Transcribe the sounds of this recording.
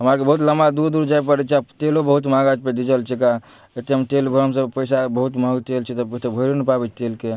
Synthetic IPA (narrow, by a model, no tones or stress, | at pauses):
ɦəmaɾkebəɦut̪ləmbad̪uɾd̪uɾd͡ʒajpəɾɛt͡ʃʰiat̪elobəɦut̪maɡad͡ʒped̪id͡ʒəlt͡ʃʰika | et̪eɦəmt̪elbʱəɾəmsə̃pəjsabəɦut̪məɡt̪elt͡ʃʰit̪ɔet̪ebʱəiɾonipabɛt͡ʃʰt̪elke